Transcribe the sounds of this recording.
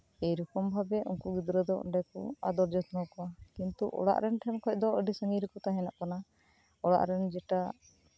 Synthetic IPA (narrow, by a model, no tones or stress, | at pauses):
ɛjɾɔkɔmbʱabɛʔṵnkuɡid̪ɾəd̪ɔɔ̰ɳɖɛkɔ̰ad̪ɔɾd͡ʒɔt̪nɔkɔakint̪uʔɔ̰ɽa̰ʔɾɛnʈʰɛnkʰɔc̚ˀd̪ɔəɖisəŋiɾəkɔt̪aɦɛnaʔkana | ɔɽa̰ʔɾɛnd͡ʒɛʈa